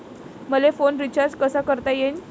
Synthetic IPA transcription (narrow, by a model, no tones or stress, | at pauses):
məlefonɾit͡ɕaɾd͡zkəsakəɾt̪ajen